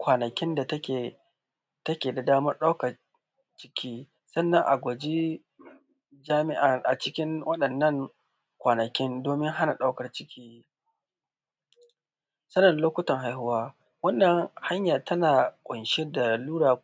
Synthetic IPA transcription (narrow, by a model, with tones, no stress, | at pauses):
kʷaː˨nɐ˨kʲɪ˦nda˨tɐ˦kʲeː˨ | tɐ˦kʲeː˨da˨daː˦mɐ˦rɗa˦kɐ˨r | t͡ʃɪ̥˦kʲiː˦ | sɐ˦nːɐ˦ŋʔa˨ɡʷo˨d͡ʒi˦ | d͡ʒaː˦mɪ˦ʔa˨ʔa˨t͡ʃɪ˦kʲɪ˦ŋwʔɐ˦ɗɐ˨nːɐ˦ŋ | kʷaː˨nɐ˨kʲɪ˦ndoː˨mɪ˦ŋɦa˦na˨ɗa˦wkɐ˨rt͡ʃɪ̥˦kʲʰiː˦ | sɐ˦nɐ˨nloː˦kʷʊ˦tɐ˨ŋɦa˦jhʊ˦waː˦ | wɐ˦nːɐ˨ŋha˦ɲjaː˨tʰɐ˦naː˨kʷʼʊ˨nʃɛ˦da˨luː˦ɽaː˨